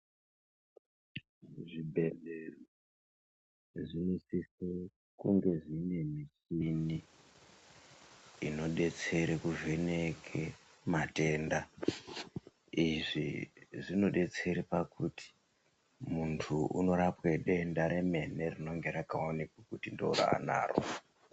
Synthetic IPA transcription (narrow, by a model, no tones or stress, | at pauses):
ʐibʱelero | ʐinisise | kuŋɡe̞ʐine̞misini | ino̞ɗe̞t͡se̞ɾekuvenekʰe | mate̞nda | iʐiʐino̞ɗe̞t͡se̞ɾipakuti̥ | muntʰuṵno̞ɾapweɗe̞ndaɾe̞me̞ne̞rino̞ŋɡe̞ɾakaonikwakutindo̰ṵɾa̰a̰na̰ːro̰